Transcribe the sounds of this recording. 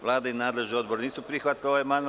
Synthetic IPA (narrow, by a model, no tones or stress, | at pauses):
ʋlˠaːd̪ainaːd̪le̞ʒnio̞d̪boɾeniːsupɾiːxʋat̪̚koeman